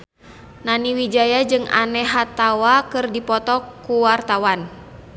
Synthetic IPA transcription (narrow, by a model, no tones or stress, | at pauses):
naniwid͡ʒajad͡ʒɨŋa̰nɛɦat̪awakɨrdipɔt̪ɔkːuwart̪awan